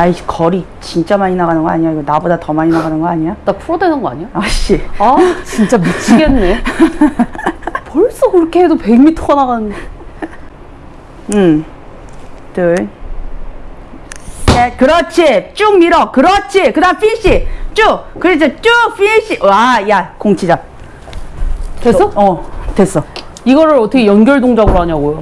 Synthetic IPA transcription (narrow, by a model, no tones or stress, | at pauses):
aikʌɾi | t͡ɕint͡ɕ͈amaɲinaɣanɯnɡʌaɲiaiɡʌnabodatʌmaɲinaɡanɯnɡʌaɲiadapʰuɾʌdwenɯnɡʌa̰ɲijoʌɕ͈iat͡ɕint͡ɕ͈amit͡ɕʰiɡenːe̞ | poɭs͈okɯɾʌkʰeɦedope̞ɡmitʰoʌnaɣanɯne | ɯ | tɯɭ | jekɯɾʌt͡ɕʰit͡ɕ͈umiɾʌkɯɾʌt͡ɕʰikɯdapʰiɕ͈it͡ɕ͈ukɯɾet͡ɕet͡ɕ͈uɸʰiɕ͈iʔajakoŋt͡ɕʰid͡ʑa | tes͈ʌʌtwes͈ʌ | iɡʌɾɯɭʌtʰʌkʰejʌnɡʲjʌɭdoŋd͡ʑaɡɯɾoɦaɲaɡojo